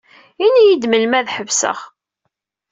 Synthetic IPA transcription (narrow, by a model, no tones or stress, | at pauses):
inijid̪məlmæðħəvsə̰ʁ